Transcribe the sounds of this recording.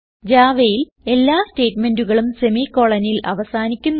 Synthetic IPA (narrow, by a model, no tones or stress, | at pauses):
d͡ʑaːʋejil | e̞lːaːste̞ːtme̞nduɣɐɭumsemiːko̞ɭɐnilɐ̰ʋɐsaːnikʲːunː